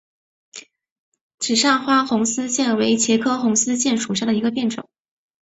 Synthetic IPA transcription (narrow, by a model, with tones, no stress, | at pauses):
ʈ͡ʂɻ̩˨˩ʂɑ˥˩ŋxwa˥xʊ˧˥ŋsɹ̩˥ɕjɛ˥˩nwe˧˥ɪt͡ɕʰjɛ˧˥kʰɤ˥xʊ˧˥ŋsɹ̩˥ɕjɛ˥˩nʂu˨˩ʂɑ˥˩d̪ə˩i˧˥ɡə˧p̬jɛ˥˩nʈ͡ʂʊ̰˨˩˦